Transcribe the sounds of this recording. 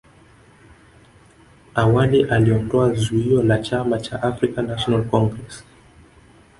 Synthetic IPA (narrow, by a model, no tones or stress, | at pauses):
awaliʔaliɔndɔazuiɔlat͡ʃamat͡ʃa̰ʔafɾikanaʃɔnalkɔŋɡɾɛs